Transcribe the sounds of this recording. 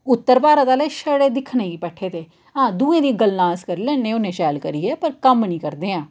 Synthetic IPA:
ʊt̪ːəɾpaːɾət̪aːleːʃəɽeːd̪ɪkʰnẽːiːpɛːʈʰeːt̪eː | ɦãːd̪ũːẽːd̪iːɡəlnãːskəɾiːlɛ̃ːnẽːoːnẽːʃɛːlkəɾiːɛːpəɾkəmnĩːkəɾd̪eːãː

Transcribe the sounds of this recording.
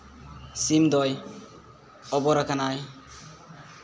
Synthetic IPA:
simd̪ɔj | ɔbɔɾakanaj

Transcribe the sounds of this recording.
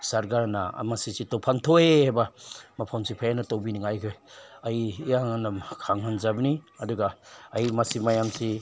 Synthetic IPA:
saɾɡaɾna̰masisitowpʰaŋtʰojhajbamapʰawnsʰipʰajanɐtowbiniŋajkʰojajːjaŋanakʰaŋhanzabniɐduɡaːjmasimajamsi

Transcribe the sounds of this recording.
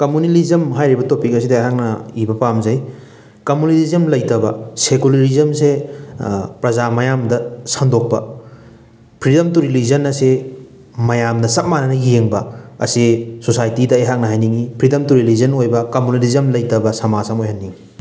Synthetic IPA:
kɐmunilizɐmɦajɾibɐtopik̚ɐsidɐeɦak̚nɐibɐpamzɐj | kɐmunilizɐmlɐjtɐbɐsekulɐɾizɐmse | pɾɐzamɐjamdɐsɐŋdok̚pɐ̰ | pʰɾidɐmtuɾilizɐnːɐse | mɐjamnɐsɐt̚manɐnɐjeŋbɐɐ̰sisosajtidɐejɦak̚nɐɦajniŋipʰɾidɐmtuɾilizɐnojbɐkɐmunilizɐmlɐjtɐbɐsɐmasamojɦɐnːiŋi

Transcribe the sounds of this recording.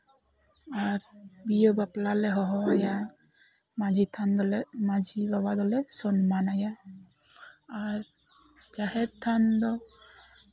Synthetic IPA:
aɾbijobaplalɛɦɔɦɔaja | mazit̪ʰand̪ɔlmazibabad̪ɔlɛsɔnmanaja | aɾ | d͡ʒahɛtt̪ʰːand̪ɔ

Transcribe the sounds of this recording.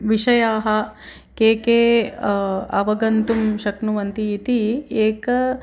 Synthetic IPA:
ʋiʃɐjaːɦɐ | keːkeː | ɐʋɐɡɐnt̪umʃɐknuʋɐnt̪iːt̪ieːk

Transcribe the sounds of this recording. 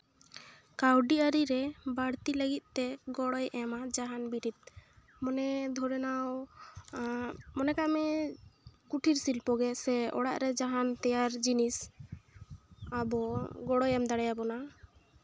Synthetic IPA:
kawɖiaɾiɾɛbaɽt̪iləɡit̪̚ˀt̪ɛɡɔɽɔjʔɛmad͡ʒaɦanbiʈit̪̚ | mɔnɛd̪ʱɔɾɛnaw | mɔnɛkamɛ | kuʈʰiɾsilpɔɡɛsɛɔ̰ɽa̰ʔɾɛd͡ʒaɦant̪ɛjaɾd͡ʒinis | abɔɡɔɽɔjɛmd̪aɽajabɔna

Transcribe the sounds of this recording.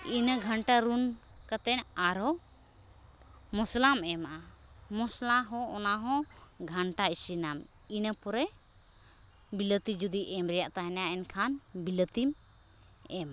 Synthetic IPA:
inəɡʱəɳʈaɾun | kat̪ɛnaɾɔ | mɔslamɛmaʔa | mɔslaɦɔ̃ɔnaɦɔ̃ | ɡʱaɳʈaisinam | inəpɔɾɛ | bilət̪id͡ʒud̪iʔɛmɾɛjaʔt̪aɦɛnaɛnkʰanbilət̪im | ɛm

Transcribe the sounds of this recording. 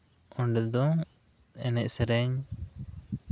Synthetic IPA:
ɔ̃ɳɖɛd̪ɔ̃ | ɛnɛc̚sɛɾɛɲ

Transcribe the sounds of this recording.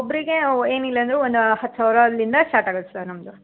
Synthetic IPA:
obːɐɾiɡeeːnilːɐɐnd̪ɾeond̪uhɐt̪ːsaːʋɾɐlːind̪ɐsʈaːɾʈaːɡɐɭst̪ɐnɐmd̪u

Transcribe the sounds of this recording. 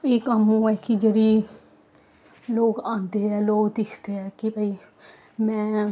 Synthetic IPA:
eːkamũːɛːkid͡ʒeːɽiː | loːkãːnd̪eːɛːloːkd̪ɪkʰd̪eːɛːkɪbʱəiː | mɛ̃ː

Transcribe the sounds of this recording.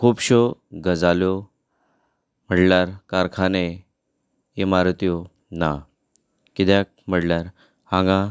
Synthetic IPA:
kʰuːpɕoɡəd͡zaljo | m̤əʈlaɾkaɾkʰane | emaɾt̪ijo | na | kit̪jak̚m̤əɽljaɾ | hãŋɡã

